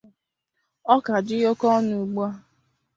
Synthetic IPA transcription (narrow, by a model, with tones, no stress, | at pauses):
ɔ˦ka˨d͡ʒɪ˦jo˦kɔ˦nu˨ɡ͡bu˦a˦